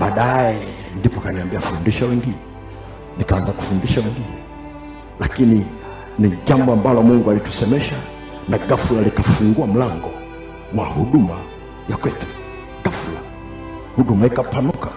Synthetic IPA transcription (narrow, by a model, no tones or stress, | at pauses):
ɓaːɗaɛ | ndipɔkaniambiafundiʃawɛŋɡinɛ | nikaanzaku̥fundiʃawɛŋɡinɛ | lakini | niʄambɔambalɔmuŋɡualitu̥sɛmɛʃa | naɡafulalikafuŋɡuam̩laŋɡɔ | wahuɗuma | jakwɛtu̥ | ɡ̥afula | huɗumaikapanuka